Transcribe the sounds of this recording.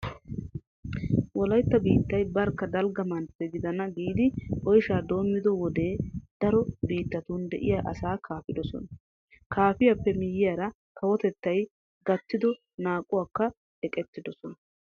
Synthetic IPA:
wɔlɐjt̪ːɐbiːt̪ːɐjbɐɾkːɐd̪ɐlɡɐmɐnpːɛɡɪd̪ɐnɐɡiːd̪ɪʔɔjʃaːd̪o̞ːmːɪd̪ɔwɔd̪e̞ːd̪̥ɐɾɔbiːt̪ːɐt̪uːnd̪ɛʔɪ̰jaːʔɐsaːkʰaːfɪd̪ɔsɔ̰nɐ | kʰaːfɪjɐpːɛmɪjːɪjaɾɐ | kʰɐwɔt̪ɛt̪ːɐj | ɡɐt̪ːɪd̪ɔ | naːkʼʊwaːkːɐ | ɛkʼɛt̪ːɪd̪ɔsɔnɐ

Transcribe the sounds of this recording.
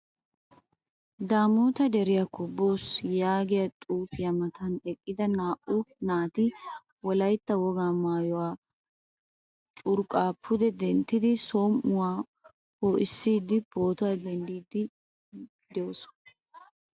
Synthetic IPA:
d̪aːmuːt̪ɐd̪ɛɾɪjakːɔbːoːsjaːɡɪjɐt̪ʼuːfɪjɐmɐt̪ʰɐnɛkʼːɪd̪ɐnaːʔʊnaːt̪ɪ | wɔlɐjt̪ːɐwɔɡaːmaːjɔwaː | t̪ʼʊɾkʼaːpʰʊd̪ɛd̪ɛnt̪ːɪd̪ɪsoːmʔʊwaː | hoːʔɪsːiːd̪ɪb̥o̞ːt̪ʊwaːd̪ɛnd̪iːd̪ɪ | d̪ɛosɔ̥

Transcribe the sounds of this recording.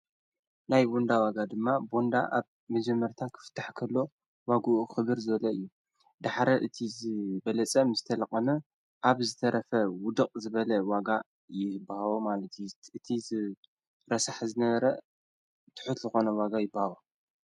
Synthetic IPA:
najbond̪awaɡad̪ɨmːabo̞nd̪aʔaβ | mɐd͡ʒɐmːɐɾt̪ʰakʰɨ̥fɨ̥t̪ʰːaħkʰɐlːo̞ | waɡuʔuxɨβɨɾzɨβɐlɐɨjːu | d̪aħɾɐʔɨt̪ʰizɨbɐlɐt͡sʼɐmɨzɨt̪ʰɐlɐkʼɐnɐ | ʔaβzɨt̪ʰɐɾɐfɐwʊd̪ɨqʼzɨβɐlɐwaɡa | jɪbːahawomalɐt̪jʔɨt̪ʰizɨ | ɾɐsaħzɨnɐβɐɾɐ | t̪ʰɨ̥ħʊt̪zɨxo̞nɐwaɡajɪbːahawu

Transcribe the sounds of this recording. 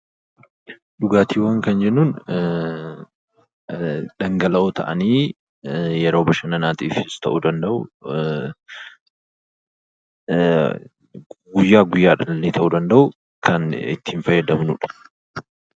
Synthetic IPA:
ᶑʊɡaːt̪iːwɐŋkɐnd͡ʒɛnːuːn | ᶑɐŋɡɐlɐʔoːt̪ɐ̰ʔɐniː | jɛɾo̞ːbɐʃɐnɐnaːt̪iːfɪst̪ɐ̰ʔud̪ɐnd̪ɐʔʊ | ɡʊjːaːɡʊjːaːᶑɐlːeːt̪ʰɐʔuːd̪ɐnd̪ɐʔʊ | kʰɐnɪ̰t̪ːiːnfɐjːɛd̪ɐmnʊᶑɐ̥

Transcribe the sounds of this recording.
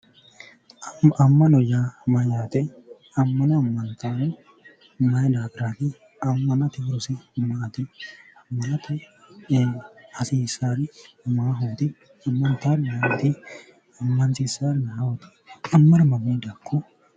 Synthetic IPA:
ɐmːɐnɔjaːmɐjaːt̪ɛ | ɐmːɐnɐɐmːɐnt̪aːn | mɐjd̪aːɡɾaːt̪ɪ | ɐmːɐnɐt̪ɪɾʊsɪmaːt̪ɪɐmːɐnɐt̪ɐ | ɐsiːsaːɾɪmaːɦuːt̪ɪ | ɐmːɐnt̪aːɾmat̪ɪ | ɐmːɐnt̪ɪsaːɾnawɔt̪ɛ̥kɐmːɐɾmɐmeːd̪akʰːɔ

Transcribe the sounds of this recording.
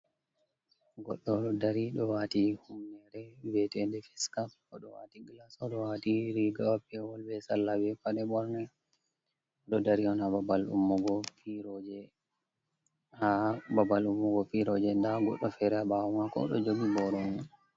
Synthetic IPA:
ɡɔ̰ɗːɔdaɾiɗɔwatihumnɛɾɛvɛtɛndɛfɛskafkɔɗɔwa̰tiɡlasɔɗɔwatiɾiɡawapːɛwɔlbɛsalːabɛfaɗɛbɔɾnɛ | ɗɔdaɾiwanababalṵmːɔɡɔfiɾɔd͡ʒɛ | hababalumːɔɡɔfiɾɔd͡ʒɛndaɡɔ̰ɗːɔfɛɾɛabawɔmakɔ̰ɗɔ̰d͡ʒoɡibɔɾɔŋa

